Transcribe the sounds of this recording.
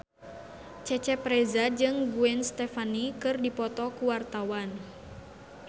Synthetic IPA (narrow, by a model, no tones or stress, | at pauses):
t͡ʃɛt͡ʃɛpɾɛzad͡ʒɨŋɡuɛnst̪ɛfanikɨrdipɔt̪ɔkuwart̪awan